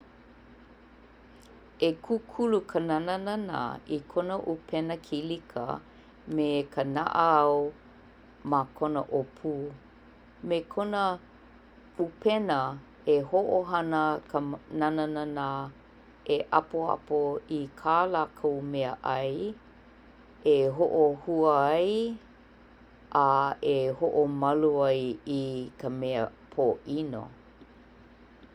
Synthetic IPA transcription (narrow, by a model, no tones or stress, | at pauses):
ekʰukʰulukʰənananana̰ikʰonəʔupʰɛnəkʰilikʰə̰ | mekʰəna̰ʔəɐw | makʰonə̰ʔopʰuː | mekʰonə | upɛnə | ehoʔoɦɐnəkʰənanənana | eʔa̰poa̰poikʰaːlakʰowmɛəʔɐj | eɦoʔohuəaj | ʔaehoʔomɐluajikəmɛə̰pʰoʔino̰